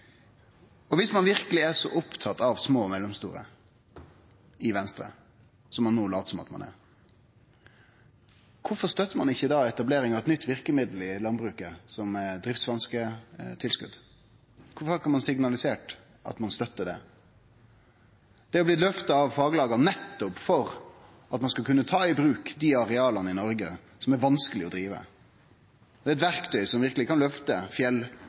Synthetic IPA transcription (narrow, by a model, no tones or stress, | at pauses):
ɔʋɪsmɑnʋɪʁkəlɪæʂɔ̰ʔʊpt̪ʰɑt̪ɑʋsmoːmɛlːəmst̪uːɾə̰ | ɪʋɛnst̪ɾə̰ | sɔmːɑnːoːlɑ̰ːt̪sɔmɑ̰t̪mɑ̰nɛ̰ɾ | kʰʊfɔʁst̪œt̪ːəɾmɑnɪçːəd̪ɑːɛt̪ɑbleːɾɪŋɑʋɛt̪nʏt̪ːʋɪʁkəmɪd̪l̩ɪlɑnbɾʉːkəsɔmd̪ɾɪft̪sʋɑnskət̪ʰɪlskʉ̰d̪ | kʰʊfɔɾkʰɑnmɑnsɪɡnɑlɪseːʈ | ʔɑ̰t̪mɑnst̪œt̪ːəd̪ɛ̰ | d̪̥ɛɔbliːlœft̪ɑɑʋfɑːɡəlɑːɡɑnnɛt̪ːɔpfɔɾ | ɑt̪mɑnskɑlkʰʉnːət̪ʰɑːɪbɾʉːkd̪ɪɑɾɛɑːlɑnəɪnɔɾɡə | sɔmæɾʋɑnskəlɪɔd̪ɾiːʋə̰ | d̪ɛæːɛt̪ʋæɾkt̪ʰœʏsɔmʋɪɾkəlɪkʰɑnlœft̪əfjɛl